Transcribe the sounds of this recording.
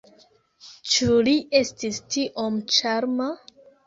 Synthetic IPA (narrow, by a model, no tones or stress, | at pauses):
t͡ʃuliʔe̞stistiʔomt͡ʃaɾma